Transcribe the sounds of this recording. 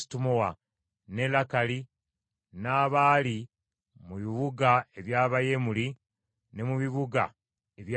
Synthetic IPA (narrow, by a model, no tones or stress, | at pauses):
i̥tumowa | ne̞lakali | naːβaːli | muβiβuɡae̞βjaːβaje̞muli | ne̞muβiβuɡa̰ | eβj